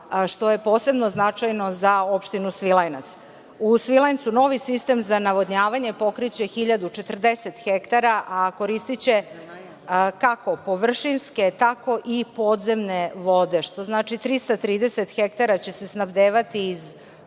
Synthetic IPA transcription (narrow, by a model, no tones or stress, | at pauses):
ʃt̪o̞je̞po̞ːse̞bno̞znat͡ʂajno̞zao̞pʃt̪inusʋilˠajnat̪s | usʋilajnsuno̞ːʋisist̪e̞mzanaʋo̞d̪ɲaːʋaɲe̞po̞kɾit͡ɕe̞xiʎad̪ut͡ʃe̞t̪r̩d̪e̞se̞t̪xekt̪aɾaʔako̞ɾist̪it͡ɕe̞ | kako̞po̞ʋr̩ʃinske̞t̪ako̞ʔipo̞ːd̪ze̞mneʋo̞d̪e̞ʃt̪o̞znaːt͡ʃit̪ɾist̪at̪ɾiːd̪e̞set̪xek̚t̪aɾat͡ɕe̞se̞snabd̪eːʋat̪iːz